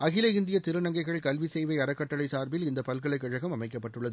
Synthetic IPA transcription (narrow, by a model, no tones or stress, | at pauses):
ɐɣɪlɐɪnd̪ɪjɐt̪ɪɾɯnɐŋɡɐɪɣɐɭkɐlʋisɛjʋɐɪɐɾɐkːɐʈːɐlɐɪsaːɾbɪlɪnd̪ɐpɐlkɐɭɐɪkːɐɻɐɣɐmɐmɐɪkːɐpːɐʈːɯɭːɐðɯ